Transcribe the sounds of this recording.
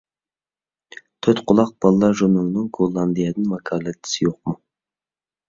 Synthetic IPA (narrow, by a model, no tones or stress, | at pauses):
t̪ʰøt̪qʰʊlˠɑq̚b̥ɑlˠlːˠɑʒonuwnɨŋɡolˠːɑnd̪ɨjɛd̪ɪnmɑkʰɑːlˠɛt̪ʰːi̥sɪjoq̚mu